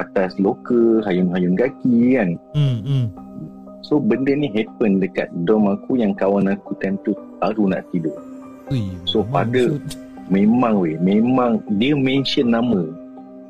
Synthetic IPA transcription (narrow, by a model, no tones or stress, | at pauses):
at̪aslokəɦajunɦajunɡakikan | sobəndəniɦɛpəndəka̰t̪̚dɔmakujaŋkawanakut̪ɛnt̪u | aɾuna̰ʔt̪idoʔ | sopadə | mẽmãŋwemẽmãŋdiəmɛ̃nsənːamə